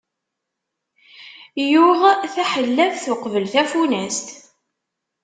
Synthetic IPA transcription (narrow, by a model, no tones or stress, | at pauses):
jʊʁθæħəlːævθʊqvəlθæfunæst̪